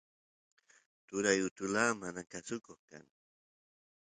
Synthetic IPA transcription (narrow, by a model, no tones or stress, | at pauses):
t̪ʊɾajʊt̪ʊlaːmanakasʊkoχka̰ŋ